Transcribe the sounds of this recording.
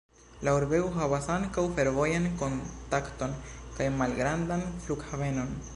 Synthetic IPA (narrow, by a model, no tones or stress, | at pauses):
lauɾbe̞uɦavasaŋkawfe̞ɾvo̞janko̞ntakto̞nkajmalɡɾandanfluɡhave̞no̞n